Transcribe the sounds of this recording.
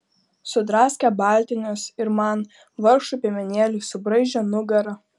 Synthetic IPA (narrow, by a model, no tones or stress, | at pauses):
sʊd̪ɾɑːsʲkʲɛbɑːˑlʲt̪ʲɪnʲʊsɪɾmɑn | ʋɐɾʃupʲeɛmʲɛnʲeːlʲuːsʊbɾɐɪʒʲɛnʊɡɐɾɐ